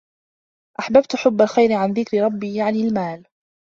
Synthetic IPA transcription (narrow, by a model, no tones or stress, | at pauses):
ʔaħbabt̪ħʊbːalxajɾɪʕanðɪkɾɪɾˤɑbːiːjaʕnɪlmaːl